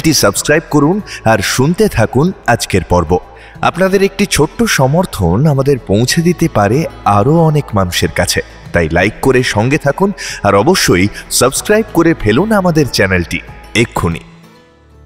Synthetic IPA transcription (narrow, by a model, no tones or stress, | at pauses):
lʈisəbskɾajb̚koɾunaɾʃunt̪et̪ʰakunad͡ʑkeɾpɔɾbo | a̰pnad̪eɾek̚ʈit͡ɕʰoʈːoʃɔmoɾt̪ʰonamad̪eɾpõw̃t͡ɕʰed̪it̪epaɾeaɾoɔnekmanuʃeɾkat͡ɕʰe | t̪ajlajkːoɾeʃɔŋɡet̪ʰakunaɾɔboʃːojsəbskɾajb̚koɾefʰelunamad̪eɾt͡ɕɛnelʈiekʰːunḭ